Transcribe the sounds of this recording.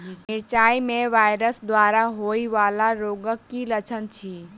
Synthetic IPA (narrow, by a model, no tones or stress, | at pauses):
nɪɾt͡ʃaimẽʋaːjɾəsd̪waːɾaɦoiʋaːlaɾoɡəkːilət͡ʃʰənt͡ʃʰi